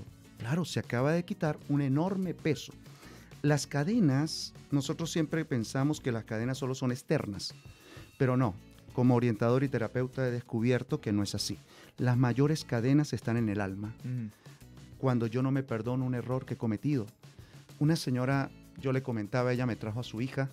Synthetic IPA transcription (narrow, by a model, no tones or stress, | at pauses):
klaɾo̞seakaβaðe̞kit̪aɾune̞no̞ɾme̞pe̞so̞̥ | laskaðe̞nasno̞so̞t̪ɾo̞sːje̞mpɾe̞pe̞nsamo̞ske̞laskað̞e̞nasːo̞lo̞so̞nest̪e̞ɾna̰s | pe̞ɾo̞no̞ | ko̞moːɾje̞nt̪að̞o̞ɾit̪e̞ɾape̞wt̪aeð̞e̞skuβ̞je̞ɾt̪o̞keno̞e̞sasi | lazmaʝo̞ɾe̞skað̞e̞nase̞st̪ane̞ne̞lalma | kwand̪o̞ʝo̞no̞me̞pe̞ɾðo̞noune̞ro̞ɾkeeko̞me̞t̪ið̞o̞unase̞ɲo̞ɾaɟ͡ʝo̞le̞ko̞mẽ̞nt̪aβae̞ʝame̞t̪ɾaxoasuixa